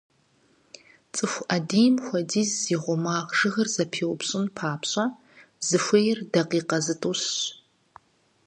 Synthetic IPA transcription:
t͡sʼɨxʷʔɐdiːmxʷɐdiːzziʁʷɔmaːʁʒɨɣɐrzɐpʰiːwʊpɕʼɪnpʰaːpɕʼɐ | zɨxʷejɪrdɐqiːqɐzɨtʼuːɕɕ

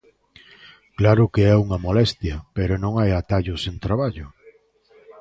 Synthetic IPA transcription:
klaɾʊkeɛuŋɐmolɛst̪jɐpeɾʊnõŋajat̪aʎʊsent̪ɾaβ̞aʎʊ

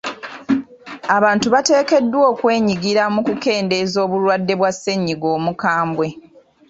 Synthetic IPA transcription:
aβaːntuβate̞ːke̞dːwo̞ːkwe̞ːɲiɡiɾamukuke̞ːnde̞zo̞ːβulwadːe̞βwasːe̞ɲːiɡo̞ːmukaːmbwe̞

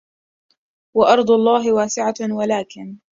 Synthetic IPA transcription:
waʔɑɾˤd̪ˤʊɑlˤːɑːɦɪwaːsɪʕawalaːkɪn

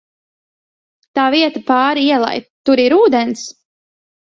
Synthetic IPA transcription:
t̪aːviɛt̪apɑːɾiiɛlˠa̰jt̪ːuɾiɾuːd̪ɛns

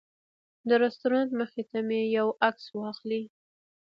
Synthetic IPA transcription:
d̪əɾast̪uɾɑnt̪məxet̪amejawakswɑxli

